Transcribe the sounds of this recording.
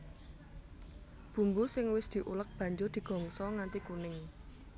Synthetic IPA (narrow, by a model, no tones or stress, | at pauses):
b̥ṳmbusɪŋwɪsd̪̥i̤ʔulək̚b̥ä̤ɲd͡ʒʊrd̪̥i̤ɡ̥ɔ̤ŋsɔŋant̪ikunɪŋ